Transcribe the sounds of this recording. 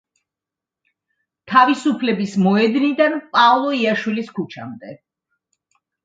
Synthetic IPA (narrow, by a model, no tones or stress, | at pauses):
t̪ʰavisupʰlɛbismɔɛd̪nid̪anpʼalˠɔiaʃwiliskut͡ʃʰa̰md̪ɛ